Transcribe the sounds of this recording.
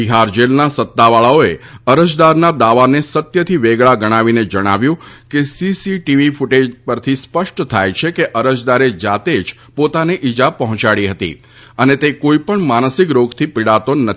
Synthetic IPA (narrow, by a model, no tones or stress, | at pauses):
biɦaɾd͡ʒelnasət̪ːaʋaɭaoeəɾəd͡ʒd̪aɾnad̪aʋanesət̪jət̪ʰiʋeɡɭaɡəɽ̃aʋined͡ʒəɽ̃a̰ʋjũkesisiʈiʋifuʈed͡ʒpəɾt̪ʰispəʃʈt̪ʰajt͡ʃʰekeʔəɾəd͡ʒd̪aɾed͡ʒat̪ed͡ʒ | pot̪aneʔid͡ʒapəɦɔ̃t͡ʃaɽiɦət̪ḭ | ənet̪ekoipəɳmansikɾoɡt̪ʰipɪɽat̪onə